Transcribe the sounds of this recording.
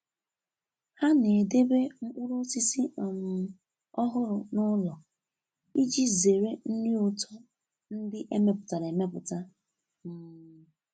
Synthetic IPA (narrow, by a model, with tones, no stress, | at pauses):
ha˦ne˨de˦be˦ŋ̩˦kʷu˦ɾo˦si˦si˦ɔ˨m˨ | ɔ˦ɦʊ˦ɾʊ˨nʊ˦lɔ˨ | i˦d͡ʒi˦ze˨ɾe˦n̩˦nɪ˦ʊ˨tʰɔ˦ | n̩˦dɪ˦ʔe˦me˦pʊ˨ta˨ɾe˨me˦pʊ˨ta˦ | m̩˦˨